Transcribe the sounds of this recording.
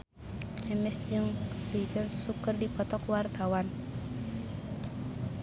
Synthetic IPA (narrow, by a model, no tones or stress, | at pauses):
ɛmɛsd͡ʒɨŋbid͡ʒənssukərdipɔt̪ɔkwart̪awan